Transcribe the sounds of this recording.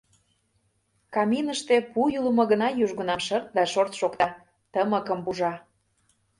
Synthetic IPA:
kɑminəʃt̪epujuləmɤ̆ɣənɑjuʒɣə̆nɑmʃɤrt̪̚d̪ɑʃort̪ʃokt̪ɑ | t̪əməkə̆mbuʒɑ

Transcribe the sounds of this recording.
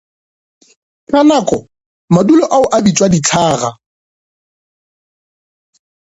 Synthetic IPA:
kʼanakʼɔ | madulɔʔaʊʔabit͡sʼwadit͡ɬʰaːɣa̰

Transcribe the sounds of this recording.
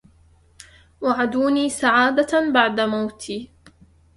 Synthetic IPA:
waʕad̪uːniːsaʕaːd̪abaʕd̪amawt̪ʰiː

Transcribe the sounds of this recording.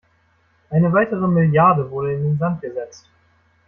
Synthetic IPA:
ʔaɪnəvaɪtəʁ̞əmɪljaɐdəvʊɐɾəɪndeːnzant̚ɡ̥əzɛt͡st

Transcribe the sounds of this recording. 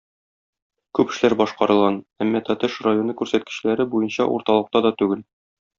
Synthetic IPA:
kʉpɘ̆ʃlæɾbɒʃqɑɾɤ̆lˠʁɑnæmːɒt̪ɒt̪ɘʃrajo̞nɤkʉɾsæt̪̚kɘ̥̆ɕlæɾɘbujɤnɕɑʔṵɾt̪ɑlˠɤ̆q̚t̪ɑd̪ɒt̪ʉɡɘl

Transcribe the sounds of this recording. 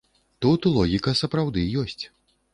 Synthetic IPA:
t̪ut̪ulˠɔɣʲikɐsɐpɾawd̪ɨjɔsʲt͡sʲ

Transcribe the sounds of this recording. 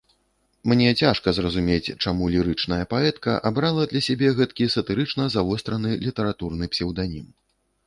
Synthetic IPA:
mnʲɛt͡sʲaʂkɐzrɐzumʲet͡sʲt͡ʂamulʲiɾɨt͡ʂn̪ɐjɐpaɛt̪kɐ̰ʔabɾalˠɐd̪lʲɐsʲabʲɛɣɛt̪kʲisɐt̪ɨɾɨt͡ʂnɐzavɔst̪ɾɐnɨlʲit̪ɐɾat̪urnɨpsʲɛwd̪anʲim

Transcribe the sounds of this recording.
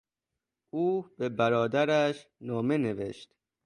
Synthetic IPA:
ʔuːb̥ebæɾɒːd̪æɾæʃnɒːme̞ne̞vḛʃt̪

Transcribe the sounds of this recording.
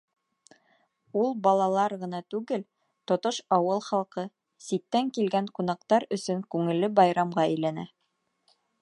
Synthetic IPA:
ulˠbɑlˠɑlˠɑɾʁɤ̆nɑt̪ʉɡɘl | t̪ŏt̪oʃɑwɤlˠχɑlˠqɤ | sit̪ːæŋkilɡæŋqun̪ɑq̚t̪ɑɾɵ̆sɵŋkʉŋɘ̆lːɘbɑjɾɑmʁɑɘ̆jlænæ̰

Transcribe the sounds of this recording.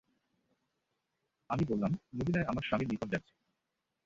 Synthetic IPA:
amibolːamnobinaeamaɾʃamiɾnikab̚d͡ʑaːt͡ɕʰe̥

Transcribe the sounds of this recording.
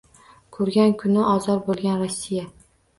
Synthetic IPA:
kʰɵɾɡʲankʰʊnɪʔɒzɒɾbolˠɡʲanɾosːija

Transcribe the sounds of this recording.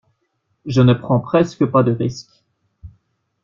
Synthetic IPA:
ʒənəpχɑ̃pχɛskəpad̪əʁisk

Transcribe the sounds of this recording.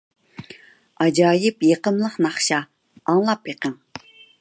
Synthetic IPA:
ɑd͡ʒɑːjɪpjeqəmlˠəqnɑχʃɑ | ɑŋlˠɑpjeqʰəŋ

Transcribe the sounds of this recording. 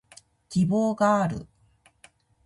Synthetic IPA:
kʲibo̞ːɡaːɾɯ̟̰

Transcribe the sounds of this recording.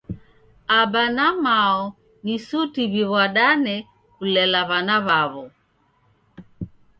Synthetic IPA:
abanamaɔ | nisutiβiβwaɗanɛ | kulɛlaβanaβaβɔ

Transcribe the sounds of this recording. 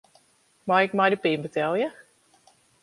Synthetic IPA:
majɪk̚majdəpɪmbətɛlˠjə

